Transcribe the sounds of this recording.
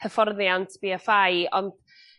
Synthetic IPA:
əfɔrðjantʰb̥iːəfajɔnd̥

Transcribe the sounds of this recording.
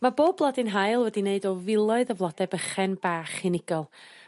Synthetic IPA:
maboːb̚blˠadɨnɦajlˠwɛdineɨdɔvɪlˠɔɨðəvlˠɔdɛbəχɛnbaːχɪnɪɡ̥ɔlˠ

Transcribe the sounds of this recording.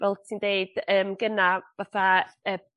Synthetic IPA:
vɛlˠtʰindeɨd̥əːmɡənavaθaəː

